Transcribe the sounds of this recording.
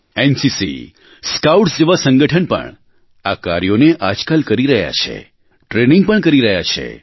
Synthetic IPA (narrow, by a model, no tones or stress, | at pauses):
ensisḭ | skawʈsd͡ʒeʋasə̃ŋɡəʈʰənpə̰ɳ | akaɾjoneʔad͡ʒkalkəɾiɾəɦja̰t͡ʃʰḛ | ʈɾenĩŋɡ̚pəɳkəɾiɾəɦja̰t͡ʃʰḛ